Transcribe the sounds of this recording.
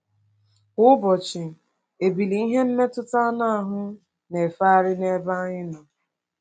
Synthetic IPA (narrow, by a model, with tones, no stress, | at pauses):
ʊ˦bɔ˨t͡ʃɪ˨ | e˨bi˨li˨i˦ɦe˦n̩˦me˦tʊ˦ta˦a˦na˦a˨ɦʊ˦ | ne˨fa˦a˦ɾɪ˦ne˦ba˦ɲɪ˦nʊ˨